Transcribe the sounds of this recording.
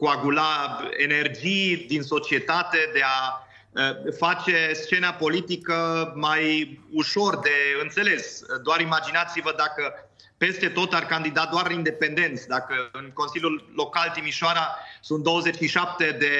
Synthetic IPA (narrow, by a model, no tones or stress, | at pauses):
kuaɡulaene̞rd͡ʒijd̪inso̞t͡ʃiet̪at̪e̞d̪e̞a | əfat͡ʃe̞st͡ʃe̞napo̞lit̪ikəmajuʃo̞rd̪e̞ɨnt̪se̞le̞sd̪oaɾimad͡ʒinat̪sivəd̪akə | pe̞st̪e̞t̪o̞t̪arkand̪id̪ad̪oarind̪e̞pe̞nd̪e̞nt̪sd̪akəɨnko̞nsiljulːo̞kalt̪imiʃoaɾasunt̪̚d̪o̞wəze̞t͡ʃʃiʃap̚t̪e̞d̪e̞